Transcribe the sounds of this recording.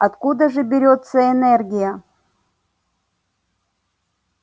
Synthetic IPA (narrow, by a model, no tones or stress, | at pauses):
ɐt̪kud̪əʐɨbʲɪɾʲot̪səɛnɛrɡʲɪjə